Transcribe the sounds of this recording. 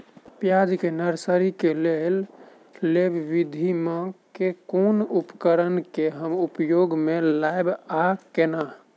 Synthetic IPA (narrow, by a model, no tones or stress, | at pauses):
pjad͡ʒkenəɾsəɾikelel | lebbid̪ʱimẽkekonupəkəɾənkeɦəmupjoɡmelaebakena